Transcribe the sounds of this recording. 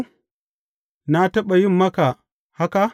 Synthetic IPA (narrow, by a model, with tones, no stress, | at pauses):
na˦tɐ˦ɓa˨ji˦mːɐ˦ka˨ | ha˦ka˦